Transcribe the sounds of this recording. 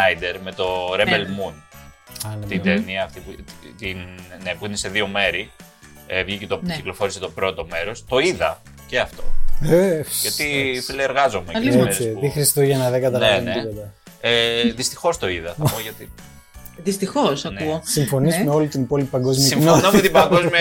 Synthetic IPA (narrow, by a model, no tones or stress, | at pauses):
ɐjd̪eɾme̞t̪o̞ɾebelmunɐnemt̪id̪eniɐːft̪iput̪innepuinese̞ðio̞me̞ɾi | evʝicet̪ociklo̞fo̞ɾiset̪o̞pɾo̞t̪o̞me̞ɾo̞st̪o̞iðɐ̰ | ceɐft̪o̞̰eʝɐt̪ifileeɾɣɐzo̞meeesisðixɾist̪oʝɐnɐðeɡɐt̪ɐlneneipod̪ɐ | eðist̪ixo̞st̪o̞iðɐθɐpoʝɐt̪i | ðist̪ixosɐnuosiɱfo̞nizmeo̞lit̪inipo̞lipi̥pɐŋɡo̞zmiɐsinnomet̪ibŋɡozmiɐ